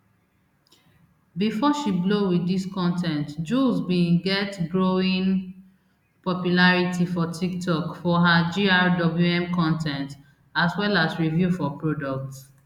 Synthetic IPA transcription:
bifɔʃiblowidiskɔ̃ntʰɛ̃ntd͡ʒulzbĩnɡɛtɡɹoĩn | pɔpjulaɹitʰifɔtʰiktʰɔkfɔɦad͡ʒiaɹdɔbluɛ̃mkɔ̃ntʰɛ̃nt | aswɛlasɹivjufɔpɹodɔk̚ts

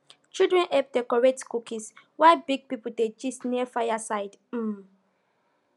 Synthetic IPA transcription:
t͡ʃidɹɛ̃nʔɛp̚dɛkɔɹɛtkukĩs | waɪbiɡ̚pipuded͡ʒisniəfajasaɪd | m̩

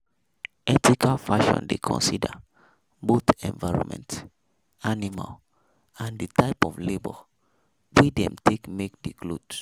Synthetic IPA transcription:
ɛtikalfaʃɔ̰̃ndekʰɔ̰̃nsida̰ | botɛ̃nvaɪɹɔ̰̃nmɛ̰̃nt | anima̰l | ãnditaɪpɔflebɔ | widɛ̰̃mtʰekmek̚diɡlod

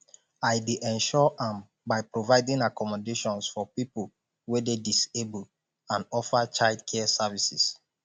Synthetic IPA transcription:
aɪdeʔɛ̃nʃɔʔãm | baɪpɹovaɪdĩŋakɔmɔdeʃɔ̃nsfɔpipul | wɛdedisebul | ãnɔfat͡ʃaldkʰɛsɛvisis

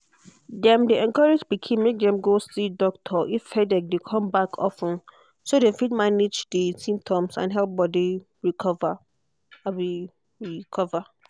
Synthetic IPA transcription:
dɛ̃mdeʔɛ̃nkɔɹed͡ʒbikʰẽmːek̚dɛ̃mɡosidɔk̚tʰɔʔiffɛdɛk̚dekʰɔ̃mbakʰɔ̰fə̃n | sodefid̚maned͡ʒdisĩmp̚tʰɔ̃msã̰nɦɛlp̚bɔdi | ɹikʰɔva | abi | ɹikʰɔva

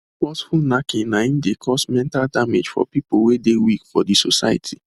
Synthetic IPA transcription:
kɔsfulnakɪ̃ŋnaĩmdekʰɔsmɛ̃ntaldamed͡ʒfɔ̰pipowedewikfɔdisosa̰ɪa̰tʰi

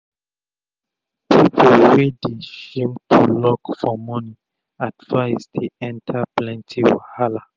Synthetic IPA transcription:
pʰipʰolwedeʃĩmtʰulɔkfɔmɔni | advaɪztʰeɛ̃ntʰaplɛ̃ntʰiwa̰hala

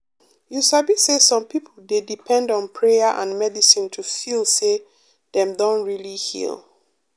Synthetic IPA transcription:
jusabisesɔ̃mpʰipʰl̩ˠdedipʰɛ̃ndɔ̃npʰɹejəʔã̰nmɛdisĩntʰufilˠse | ðɛ̃mdõntɹilihḭlˠ

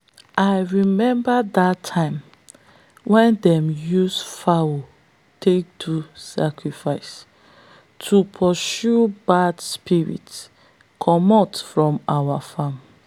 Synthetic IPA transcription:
ʔaɪɹimɛ̃mbadatʰːãɪ̃m | wɛ̃ndɛ̃mjusfawo | tʰek̚dʰusa̰kʰɹifaɪs | tʰupʰɔʃubadspʰiɹḭts | kʰɔmɔtfɹɔ̃mawafãm

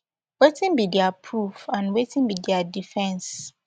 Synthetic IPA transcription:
wetĩnbidɛapʰɹufãnwetĩnbidɛadifɛ̃ns

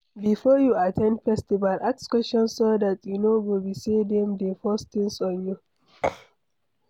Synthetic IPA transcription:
bifɔjuatʰɛ̃ndfɛstivalʔakskwɛʃɔ̃nsodatjunowilbisedɛ̃mdefɔst̪ĩŋsɔ̃nju

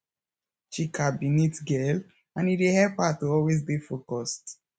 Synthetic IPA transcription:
ʃikʰabinitɡɛl | ãnitwehɛphatuɔlwezbifokɔst

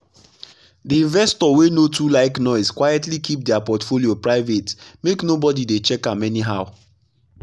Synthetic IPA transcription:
diĩɱvɛstɔwenotʰulaɪknɔɪskwajɛtlikʰip̚dɛapɔtfoliopɹaɪvetmeknobɔdidet͡ʃɛkãmɛniɦaʊ

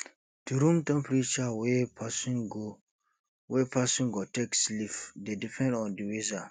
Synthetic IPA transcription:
d̥uɾũmtɛ̃mpɾit͡ʃawɛpasɔ̃nɡo | wɛpʰasɔ̃nɡɔtekslifdedipʰɛ̃ndɔ̃ndiweza

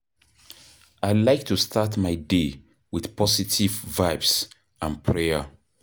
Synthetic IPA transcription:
aɪlaɪk̚tʰustʰatmaɪde | wɪð̥pʰɔsitʰivvaɪbs | ãnpʰɹɛə̰

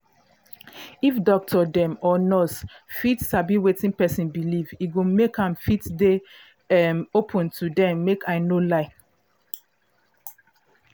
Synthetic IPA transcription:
ifdɔk̚tʰɔdɛ̃mɔnɔsfitsabiwetĩnpɛsĩnbiliviɡomekãmfitde | ɛmopʰɔ̃ntʰudɛ̃mːekaɪnolaɪ

